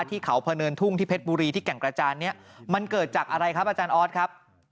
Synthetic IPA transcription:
t̪ʰiː˥˩kʰa˩˦wpʰa˧nɤː˧nt̪ʰu˥˩ŋt̪ʰiː˥˩pʰe˦˥t̪̚buː˧ɾiː˧t̪ʰiː˥˩kɛ˨˩ŋkɾa˧t͡ɕaː˧nːi˦˥ɐma˧nkɤː˨˩t̪̚t͡ɕaː˨˩k̚ʔa˧ɾa˧jkʰa˦˥p̚ʔaː˧t͡ɕaː˧nʔɔː˦˥t̪̚kʰa˦˥p̚

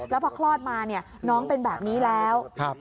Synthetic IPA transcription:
lɛː˦˥pʰɔː˧kʰlɔː˥˩t̪̚maː˧ni˥˩ɐnɔː˦˥ŋpe˧nbɛː˨˩p̚niː˦˥lɛː˦˥wk̚ʰ

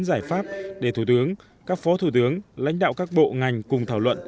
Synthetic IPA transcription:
nzaː˧˩jfaː˦˥p̚ɗe˧˩t̪ʰu˧˩t̪ɨ˨˦əŋ | kaː˦˥k̚fɔ˨˦t̪ʰu˧˩t̪ɨ˨˦əŋla̰˧˥jŋ̟ɗa̰ː˧˨wkaː˦˥k̚ɓo̰˧˨ŋa˨˩jŋ̟kʊ˨˩ŋ͡mt̪ʰaː˧˩wlwə̰˧˨n

